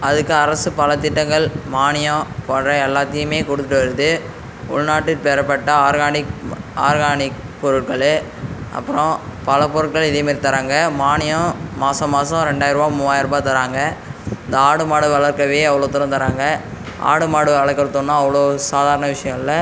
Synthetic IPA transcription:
ɐðɯkːɯɐɾɐsɯpɐlɐt̪ɪʈːɐŋɡɐɭmaːɳɪjɐ̃pɔɳrɐɛlːaːt̪ːɪjɯmeːkɔɽɯt̪ːɯʈːɯʋɐɾɯðɯ | ʊɭnaːʈːɪpɛɾɐpːɐʈːɐaːɾɣaːɳɪaːɾɣaːɳɪ | pɔɾɯʈkɐɭɯ | ʔɐ̰pːɯɾɔ̃pɐlɐpɔɾɯʈ̚kɐɭɪðɐjmeːɾt̪ɐɾaːŋɡɐmaːɳɪjɐ̃maːsɐ̃maːsɐ̃ɾɛɳɖaːjɪɾɯʋaːmuːʋaːjɪɾɯpaːt̪ɐɾaːŋɡɐɪnd̪ɐaːɽɯmaːɽɯʋɐɭɐɾkɐʋeːɐʋɐɭoːt̪ɪɾɐ̃nt̪ɐɾaːŋɡɐ | ʔa̰ːɽɯmaːɽɯʋɐɭɐɾkːɐɾɐt̪ːonːãɐʋɐɭoːsaːðaːɾɐnɐʋɪʂɐjɐ̃ŋɪlːɐ

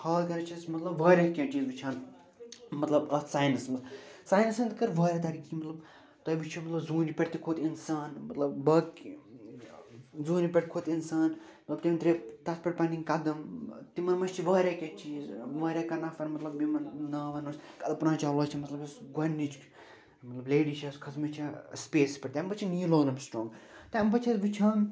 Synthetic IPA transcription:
haːlkɐɾɐt͡ʃʰɐsmɐt̪lɐbʋaːɾʲaːkʲẽt͡ʃiːzʋit͡ʃʰaːn | mɐt̪lɐbɐsaːjnɨsmɐsaːjnɨsɐnd̪kɐɾʋaːɾʲjaːt̪ɐɾiːkiːmɐt̪lɐb | t̪ɐjʋit͡ʃʰimɐt̪lɐbzuːnipʲeʈt̪ikʰot̪insaːnmɐt̪lɐbbɐk | zoːnipʲeʈ̚kʰot̪insaːn | mɐt̪lɐbt̪imnt̪ɾet̪ɐspʲeʈpɐniŋkɐd̪ɐmt̪imɐnmɐst͡ʃʰiʋɐːɾʲakʲet͡ʃiːzʋɐːɾʲjaːkɐnɐfɐɾmɐt̪lɐbːimɐnnɐːʋɐnɐskɐd̪ɐpnaːt͡ʃaːloːt͡ʃʰɐmɐt̪lɐbɐsɡɐnːit͡ʃ | mɐt̪lɐbleːɖit͡ʃʰɐskʰɐsmɐt͡ʃʰɐspeːspʲɐʈt̪ʲambɐt͡ʃʰiniːloːnɐmʲsʈɾoːŋɡt̪ɐmbɐt͡ʃʰɐt̪ʋit͡ʃʰa

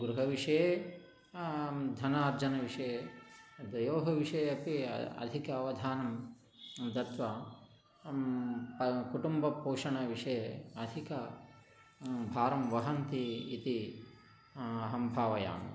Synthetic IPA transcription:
ɡɾuɦɐʋiʂɐjeː | d̪ʱɐnaːɾd͡ʒɐnɐʋiʂɐje | d̪ɐjoːɦɐʋiʂɐjɐpḭɐ̰d̪ʱikɐːʋɐd̪ʱaːnɐm | d̪ɐt̪ʋɐ | pɐkuʈumbɐpoːʂɐɳɐʋiʂɐjeɐd̪ʱikɐ | bʱaːɾɐmʋɐɦɐnt̪iːt̪i | ɐɦɐmbʱaːʋɐja̰ːm

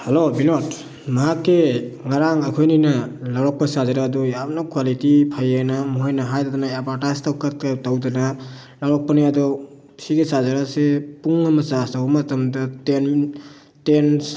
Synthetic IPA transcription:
helobinot | maɦakːeŋaɾaŋakʰojninalawɾɔk̚pasazaɾaːdɔjapnakʰwalitipʰajanamɔɦɔjnaɦajdadanaebaɾtajstawkat̚katawdana | lawɾɔk̚panijadɔ | siɡesazaɾasepuŋːamasasaɦɔmatamdaten | tens

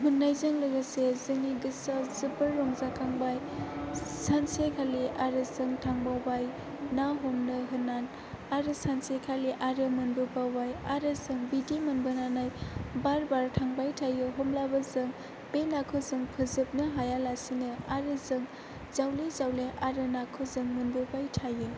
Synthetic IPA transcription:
munːajzɯŋlɯɡɯsezɯŋiɡɯsazɯbɯɾːɔŋzakʰaŋbaj | sansekʰaliʔaɾɯzɯŋtʰaŋbawbaj | naɦomnɯɦɯnan | aɾɯsansekʰaliʔaɾɯmɯnbɯbawbajaɾɯzɯŋbidimɯnbɯnanajbaɾbaɾtʰaŋbajtʰajɯɦomlabazɯŋ | benakʰɯzɯŋpʰɯzɯp̚nɯɦajalasinɯaɾɯzɯŋ | z̥awlezawleʔaɾɯnakʰɯzɯŋmɯnbubajtʰajɯ

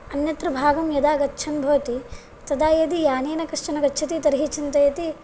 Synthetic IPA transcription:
ɐnjɐt̪ɾɐbʱaːɡɐmjɐd̪aːɡɐtːt͡ʃʰɐnbʱɐʋɐt̪i | t̪ɐd̪aːjɐd̪ijaːneːnɐkɐʂt͡ʃɐnɐɡɐtːt͡ʃʰɐt̪it̪ɐɾɦit͡ʃʰɐnt̪ɐjɐt̪i

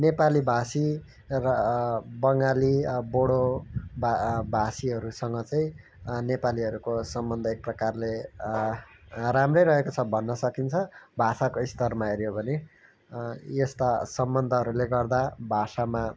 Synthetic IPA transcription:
nepalibʱasi | rʌbʌŋɡaliboɽobbʱasiɦʌɾusʌŋɡʌt͡saĩ | nepaliʌɾukosʌmbʌnd̪ʱʌek̚prʌkarle | ramrʌjɾʌɦekot͡sʰʌbʱʌnːʌsʌkint͡sʰʌbʱasakoist̪ʌrmaeɾjobʱʌne | jest̪asʌmbʌnd̪ʱʌɦʌɾuleɡʌrd̪abʱasama

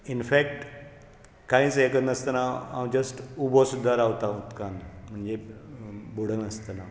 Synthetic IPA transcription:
infɛkʈ | kãĩt͡sekənəst̪ənaa̰wd͡ʑəsʈubɔsud̪ʱːaɾaʋt̪aut̪kanm̤əɳd͡ze | buɽ̤ənəst̪əna

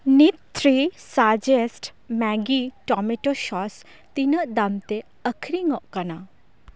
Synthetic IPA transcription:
nitt̪ʰɾisad͡ʒesʈ | mɛɡiʈɔmeʈoʃɔs | t̪inəʔd̪amt̪e | əkʰɾiŋɔʔkɐna

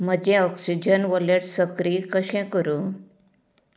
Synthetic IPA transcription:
m̤əd͡ʑẽɔksid͡ʑənʋoleɾsəkɾikəɕɛ̃kəɾũ

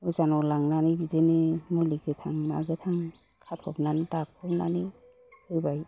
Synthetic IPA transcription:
uzanɔlaŋnanibizenemuliɡetʰaŋna̰ɡet̪ʰaŋ | kʰatʰɔpnanitak̚ʰɔpna̰ni | ɯjbaj

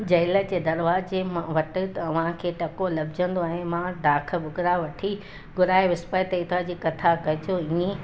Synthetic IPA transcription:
d͡ʑɐɪlə̆d͡ʑeːd̪ɐɾʋaːd͡ʑemʋɐʈɪt̪ɐɐʋ̤ãkʰeːʈɐkolɐbd͡ʑə̃nd̪oɛ̃ːmãɖaːkʰə̆bʱʊɡɾaʋɐʈʰi | ɡʊɾaːeʋɪspət̪əɪt̪ʰad͡ʑiːkɐt̪ʰakɐɦɪt͡ɕʰoiẽ

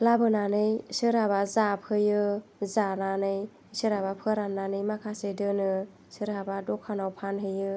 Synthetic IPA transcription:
labɯnanɯjsɯɾabazap̚hɯjɯzananɯj | sɯɾabapʰɯɾanːanɯjmakʰasedɯnɯ | sɯɾɦabadɔkʰanawpʰanɦɯjɯ

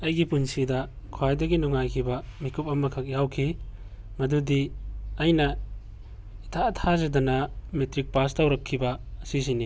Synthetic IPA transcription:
ɐjɡipunsidɐ | kʰuajdɐɡinuŋajkʰibɐmikʰup̚ɐmɐkʰɐk̚jawkʰi | mɐdudiɐjnɐ | itʰatʰazɐdɐnɐmetɾik̚pastawɾɐkʰːibɐɐsis̬ini

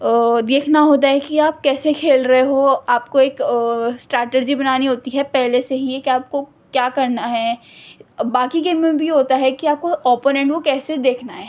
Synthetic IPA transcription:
d̪eːkʰnaɦoːt̪̬aɦɛkiaːp̚kɛːsekʰeːlɾɐɦeɦoːaːp̚koeːksʈɾɛːʈed͡ʒibɐnaːniɦoːt̪iɦɛpɛɦleseɦiekiaːp̚ko | kjaːkɐɾnaɦɛː | baːkiɡeːmmẽbʱiɦoːt̪aɦɛkiaːp̚koɔːponɛ̃ɳʈkokɛːsed̪eːkʰnaɦɛ̃

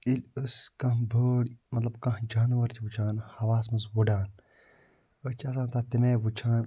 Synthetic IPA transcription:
iləskɐ̃ɦbʱəːɽmɐt̪lɐbkɐ̃ɦd͡ʒaːnʋɐɾt͡ʃʰiʋut͡ʃʰaːnhɐʋaːsmɐzwuɖaːn | ət͡ʃʰɐs̬ãːt̪aːt̪imeːʋut͡ʃʰaːn

